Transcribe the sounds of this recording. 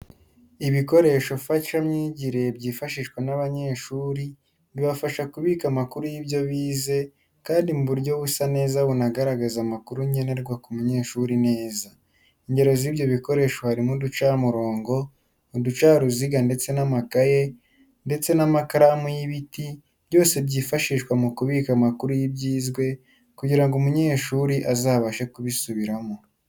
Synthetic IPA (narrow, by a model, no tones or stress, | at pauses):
iβiko̞ɾe̞ʃo̞faʃamɲiːɟiɾe̞bɟiːfaʃiʃkwenaβaɲe̞ːʃuːɾi | βiβafaʃakuβiːkamakuɾujiβjo̞βiːze̞ | kaːndimuβuɾɟo̞βusane̞ːzaβunaɡaɾaɡazamakuɾuɲe̞ne̞ɾɡwakumuɲe̞ːʃuɾine̞ːza | iɲɟe̞ɾe̞ziβjo̞βiko̞ɾe̞ːʃwahaɾimudut͡ʃaːmuɾo̞ːŋɡo̞ | odut͡ʃaːɾuziɡande̞t͡se̞namakaje̞ | nde̞t͡se̞namakaɾamujiβiti | bjo̞ːse̞bɟiːfaʃiːʃkwamukuβikamakuɾujibɟiːzɡwe̞ | kuɟiɾaŋɡumuɲe̞ːʃuːɾiʔazaːβaʃe̞kuβisuβiɾamo